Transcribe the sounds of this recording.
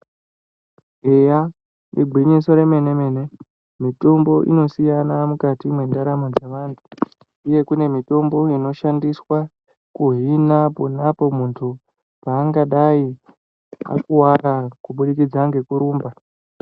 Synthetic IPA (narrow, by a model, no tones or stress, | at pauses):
ɦeja | iɡʱwiɲisoɾe̞me̞ne̞me̞ːne̞ | mito̞mbo̞ʔḭno̞sijanamukatimwe̞ndaɾamad͡zeʋaːntʰu̥ | uje̞kune̞mito̞mbo̞ino̞ʃandiswa | kuɦinaponapo̞muntʰu | paːŋɡaɗai | a̰kuwarakuɓuɗikid͡zaŋɡe̞kuɾuːmba